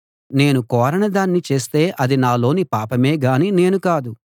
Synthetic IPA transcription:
ne̞ːnukɔːɾɐɳɐd̪aːnːit͡ʃe̞ːst̪e̞ːʔɐd̪inaːlo̞ːnipaːpɐmeːɡaːniːne̞ːnukaːd̪u

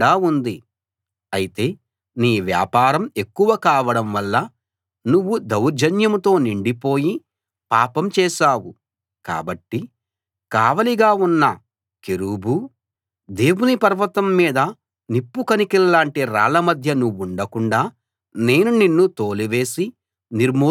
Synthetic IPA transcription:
aːund̪i | ɐjit̪e̞ː | niːʋja̰ːpaːɾɐme̞kːuʋɐkaːʋɐɽɐmʋɐlːɐ | nuʋːud̪ɐwɾd͡ʒʱɐnjɐmt̪o̞ːniɳɖipo̞ːji | paːpɐmt͡ʃɛːʃaːwu | ka̰ːbɐʈːi | kaːʋɐliɡaːunːɐ | keɾubʱu | d̪e̞ːwunipɐɾʋɐt̪ɐmːiːd̪ɐ | nipːukɐnikilːaːɳʈiɾa̰ːlɐmɐd̪ʱjɐnuʋːuɳɖɐkuɳɖaː | ne̞ːnuninːut̪oːliʋe̞ːsi | niɾmoː

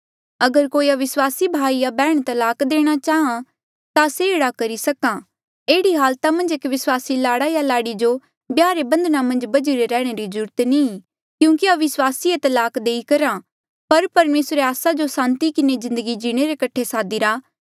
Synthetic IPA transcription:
ɐɡəɾkoːiaʋɪswaːsibʱaːijabɛːɽ̃t̪ɐlaːkd̪eːɽ̃at͡ʃaːɦã | t̪aseeːɽakɐɾisɐkã | eːɽiɦaːlt̪amɐ̃nd͡ʒeːkʋɪswaːsilaːɽajalaːɽid͡ʒo | bjaːɾebɐ̃nd̪namɐ̃nd͡ʒbɐd͡ʒiɾeɾɛːɽ̃eɾizʊɾt̪nĩː | kjũːkiaʋɪswaːsiet̪ɐlaːkd̪eːikɐɾã | pɐɾpɐɾmeːsɾeaːsad͡ʒosãːnt̪ikɪnezɪ̃nd̪əɡid͡ʒiɽ̃eɾekɐʈʰːesaːd̪iɾaː

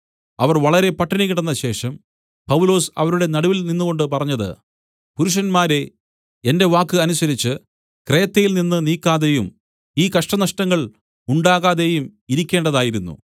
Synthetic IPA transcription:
ɐʋɐrʋɐɭɐɾe̞pɐʈːɐnikʲːiɽunːɐɕe̞ːʂɐm | pɐwulo̞ːsɐ̰ʋɐɾuɽe̞nɐɽuʋilninːuɣo̞ɳɖɨpɐrɐɲːɐðɨ̰ | puɾuʂɐnmaːɾe̞ | e̞nde̞ʋaːkːɨɐnusɐɾit͡ɕːɨ | kre̞ːt̪ːɐjilninːɨniːkːaːðe̞jum | iːkɐʂʈɐnɐʂʈɐŋːɐɭ | uɳɖaːɣaːðe̞jumiɾikʲːe̞ːɳɖɐðaːjiɾunːṵ

